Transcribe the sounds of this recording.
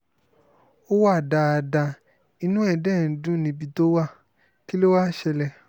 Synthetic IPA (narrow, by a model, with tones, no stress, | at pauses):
o˦wa˦˨da˧a˧˨da˧ | i˧nũ˦ɛ˦˨dɛ˦˨n̩˨dũ˦nĩ˧bi˧to˦wa˦˨ | ki˦lo˦wa˦˨ʃɛ˧lɛ˧˨